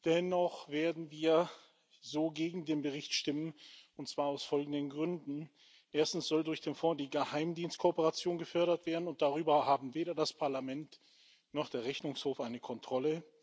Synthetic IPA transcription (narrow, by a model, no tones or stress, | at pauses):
d̥ɛnɔχveːɐdn̩viːɐ | zoːɡeːɡŋ̩deːnbəʁɪçtʃtɪmənʊntt͡sv̥aːɐaʊsfɔlɡŋ̩dənɡʁʏndn̩ | ʔeːɐstn̩sz̥ɔldʊɐçd̥eːnfɔːdiːɡəhaɪmdiːnst̚kʰopəʁat͡sjoːnɡəfœɐɾɐtv̥eːɐdn̩ʊnt̚d̥aʁyːbɐhaːbm̩veːɾɐdaspʰaɐlamɛnt | nɔχd̥eːɐʁɛçnʊŋshoːfʔaɪnəkʰɔntʁ̥ɔlə